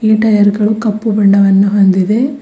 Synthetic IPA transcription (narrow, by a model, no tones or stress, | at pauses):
iːʈɐjɐɾɡɐɭukɐpːubɛɳɖɐʋɐnːuɦond̪id̪e